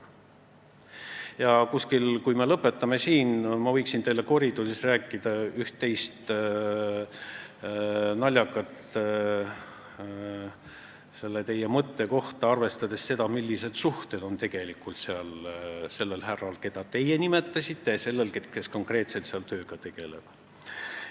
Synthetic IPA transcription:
jɑkuskilkujme̞lɤpːˑe̞t̪ːˑɑme̞siːnmɑvɤjksint̪e̞jlːeko̞ɾid̪usisræːkːˑid̪̥ɑyht̪ːe̞jst̪ | nɑlʲjɑkːˑɑt̪ | se̞lːet̪e̞jemɤt̪ːe̞ko̞ht̪ɑɑrve̞st̪ɑd̪̥e̞sse̞d̪̥ɑmilʲːise̞d̪̥suht̪e̞d̪̥o̞nt̪e̞ɡ̥e̞likːˑult̪seɑlse̞lːe̞lɦærɑlke̞d̪̥ɑt̪e̞jenime̞t̪ːˑɑsit̪ːe̞jɑse̞lːe̞lkeke̞sko̞ŋkre̞ːt̪se̞lt̪seɑlt̪ø̞ːɡ̥ɑt̪e̞ɡ̥e̞lḛb̥

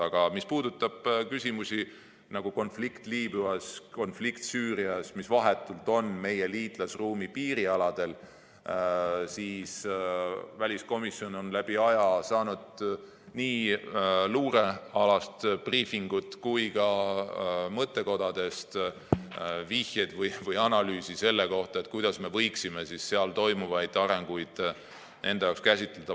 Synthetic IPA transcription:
ɑɡ̥ɑmispuːd̪̥ut̪ːˑɑb̥kysʲimusi | nɑɡ̥uko̞nflikt̪liːb̥yɑsko̞nflikt̪syːɾiɑsmisvɑɦe̞t̪ːˑult̪o̞nme̞je̞liːt̪lɑsruːmipiːɾiɑlɑd̪̥e̞l | siːs | vælʲisko̞misːio̞no̞nlæb̥iɑjɑsɑːnud̪̥ | niː | luːɾe̞ɑlɑst̪b̥riːfiŋɡ̥ut̪ːkujkɑ | mɤt̪ːe̞ko̞d̪̥ɑd̪̥e̞st̪ | vihjed̪vɤjvɤjɑnɑlyːsise̞lːe̞ko̞ht̪ɑe̞t̪̚ːˑkujd̪̥ɑsme̞vɤ̞jksime̞sisːeɑlt̪o̞jmuvɑjd̪ɑɾe̞ŋɡ̥ujd̪̥ | nʔe̞nd̪ejɑːkskæsʲit̪ːˑled̪̥ɑ

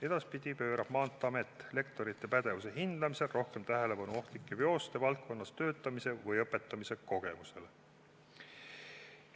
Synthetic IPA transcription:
e̞d̪̥ɑspid̪̥ʲipø̞ːɾɑb̥mɑːnt̪ˑːɑme̞t̪ːˑle̞k̚t̪o̞ɾit̪ˑːe̞pæd̪̥e̞vuse̞ɦind̪̥ɑmise̞lrʔo̞hke̞mt̪æɦe̞le̞pɑnuo̞ht̪likːˑevjo̞ːst̪e̞vɑlt̪̚ko̞nːɑst̪ø̞ːt̪ˑːɑmise̞vɯjɤpːˑe̞t̪ːˑɑmise̞ko̞ɡ̥e̞muse̞l

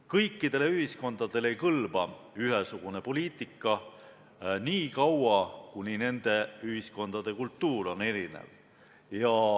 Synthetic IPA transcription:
kɤjkːid̪̥e̞le̞yɦhisko̞nd̪̥ɑd̪̥e̞le̞jkɤlb̥ɑyɦesuɡ̥une̞po̞lʲiːt̪ːˑikːˑɑ | niːkɑwɑkunine̞nd̪̥e̞yɦisko̞nd̪̥ɑd̪̥e̞kult̪ːuːɾo̞ne̞ɾinḛv | jɑ

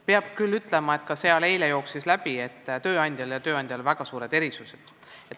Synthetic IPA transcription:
peɑb̥kylːyt̪ˑlemɑe̞t̪kɑseɑle̞jlejo̞ːksislæb̥ie̞t̪ːt̪ø̞ːɑnʲd̪jɑljɑt̪ø̞ːɑnʲd̪̥ʲjɑlvæɡ̥ɑsuːɾe̞d̪̥e̞ɾisuse̥d̪̥ | et̪

